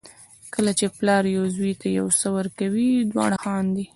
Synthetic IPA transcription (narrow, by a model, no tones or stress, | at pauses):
kəlat͡ʃeplɑɾjawzwit̪ajawsəwəɾkawid̪wɑ̰ɽaxɑnd̪i